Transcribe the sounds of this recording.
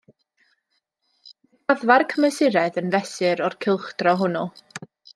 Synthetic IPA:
aðvarkʰəmɛsɪɾɛðənvɛsɨɾɔrkʰɪlˠχd̥rɔɦʊnɔ

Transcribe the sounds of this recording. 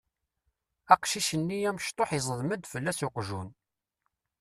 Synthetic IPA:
æqʃiʃənːijæməʃt̪ˤoħjzˤəðˤməd̪fəlːæsoqʒun

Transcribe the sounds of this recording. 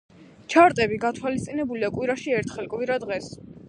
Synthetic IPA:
t͡ʃʰaɾt̪ʼɛbiɡat̪ʰwalist̪sʼinɛbuliakʼwiɾaʃiɛɾt̪ʰχɛlˠkʼviɾad̪ʁɛs

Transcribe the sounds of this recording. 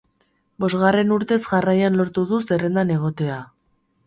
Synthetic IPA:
bo̞zɣare̞nuɾt̪e̞zʝarajanlo̞ɾt̪uðuse̞re̞nd̪ane̞ɣ̞o̞t̪e̞a

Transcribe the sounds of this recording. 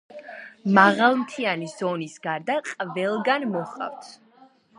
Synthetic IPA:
maʁalˠmt̪ʰianizɔnisɡaɾd̪aqʼvɛlˠɡanmɔχʼa̰vt̪ʰ

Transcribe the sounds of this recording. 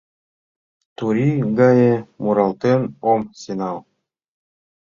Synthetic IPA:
t̪uɾʲiɡajemuɾɑlˠt̪enomsʲinɑlˠ

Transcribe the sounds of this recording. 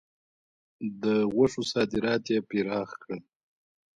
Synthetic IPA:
d̪əɣaʂusɑːd̪ɪɾɑːt̪jepiɾɑːxkəl

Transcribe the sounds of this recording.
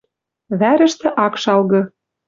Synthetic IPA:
βæɾɘ̆ʃt̪ĕʔɑkʃɑlɣɤ̆

